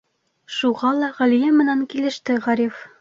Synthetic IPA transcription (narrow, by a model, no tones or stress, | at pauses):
ʃuʁɑlˠɑʁælijæmɘ̆næŋkilɘ̆ʃt̪ɘʁæɾʲif